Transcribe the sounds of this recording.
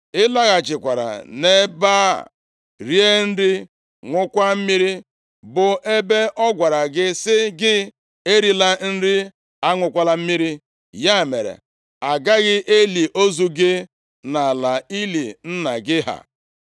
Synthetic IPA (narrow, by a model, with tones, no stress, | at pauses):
ɪ˦la˦ɣa˨t͡ʃɪ˨kʷa˨ɾa̰˨ne˦baː˦ | ɾi˦e˦n̩˦dɪ˦ | ŋʷʊ˦kʷa˦m̩˦mi˦ɾi˦ | bʊ˨ʔe˦be˦ʔɔ˦ɡʷa˨ɾa˨ɡɪ˦sɪ˦ɡɪ˦ | e˦ɾi˦la˦n̩˦ɾɪ˦ | a˦ŋʷʊ˨kʷa˦la˦m̩˦mi˦ɾi˦ | ja˦˨mḛ˨ɾḛ˨ | a˨ɡa˦ɣɪ˦ʔe˦li˨ʔo˦zu˦ɡɪ˦ | na˨la˨i˦li˨n̩˦na˨ɡɪ˦ɦa̰˨